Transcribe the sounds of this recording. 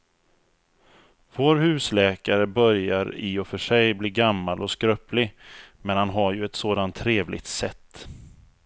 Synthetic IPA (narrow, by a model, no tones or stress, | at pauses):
voːɾhʉ̟ːslɛːkaɾəbœɾjaɾɪɔfœʂɛjbliːɡamːalʔɔskɾœplɪmɛnhanɦaɾjɵɛt̪soːd̪ant̪ʰːɾeːvlʔɪ̰ɡt̪sɛt̪ː